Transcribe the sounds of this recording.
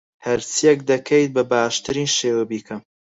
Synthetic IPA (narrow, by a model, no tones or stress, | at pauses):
hɐɾt͡sijɛk̚d̪ɐkʰejt̪̚bɐbaːʃt̪ɨɾiːnʃeːwɐbiːkʰɐm